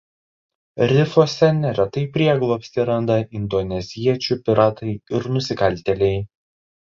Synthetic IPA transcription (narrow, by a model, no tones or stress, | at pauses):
ɾʲɪfoːsʲɛnʲɛɾʲɛt̪ɐɪpʲɾʲiɛɡlˠɔːpʲsʲt̪ʲɪɾɐnd̪ɐʔɪnd̪ɔnʲɛzʲiɛt͡ʃʲupʲɪɾɑːt̪ɐɪɪɾnʊsʲɪkɐlʲt̪ʲɛlʲɛɪ